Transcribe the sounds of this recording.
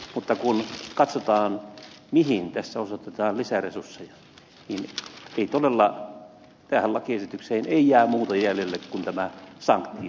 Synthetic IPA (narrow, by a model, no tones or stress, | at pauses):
mut̪ːɑkunkɑt̪sot̪ɑːn | mihint̪æsːæosot̪et̪ɑːnlisæresursːejɑ | niːneˑit̪olelːɑ | t̪æːhælːɑkiesit̪ykseːneijæːmuːt̪ɑjæljelːekkunt̪æmæsɑ̰ŋkt̪ːi